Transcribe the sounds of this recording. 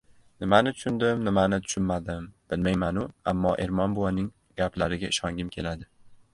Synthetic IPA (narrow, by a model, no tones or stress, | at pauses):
nɪmanɪt̪ʰʊ̥ʃʊnd̪ɪmnɪmanɪt̪ʰʊ̥ʃʊnmad̪ɪmb̥ɪlmajmanʊa̰mːɒʔe̞ɾmɒnbʊwanɪŋ | ɡ̥ʲaplaɾɪɡʲaɪʃɒŋɡʲɪmkʲʰe̞lad̪ɪ